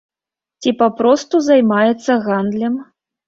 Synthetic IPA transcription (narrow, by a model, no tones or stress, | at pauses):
t͡sʲipapɾɔst̪uzajmajɛt̪sːɐɣand̪lʲɛm